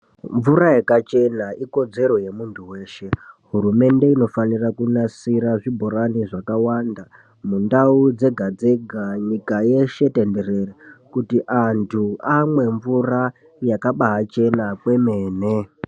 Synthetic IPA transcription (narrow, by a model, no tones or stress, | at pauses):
ɱvurajekat͡ʃe̞naiko̞d͡ze̞ɾo̞je̞muntʰuwe̞ːʃe̞ɦuɾume̞nde̞ino̞fanirakunasiɾaʐibʱo̞ɾaniʐakawanda | mundaud͡ze̞ɡʱad͡ze̞ɡʱaɲikaje̞ʃe̞tende̞rerekutiʔantʰuamwe̞ɱvura | jakaɓaɦat͡ʃe̞nakwe̞me̞ːne̞